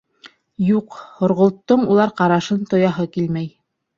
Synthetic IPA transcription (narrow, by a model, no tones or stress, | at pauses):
juqhŏɾʁŏlˠt̪ːɤɴulˠɑɾqɑɾɑʃɤnt̪ŏjɑɦɤkilmæj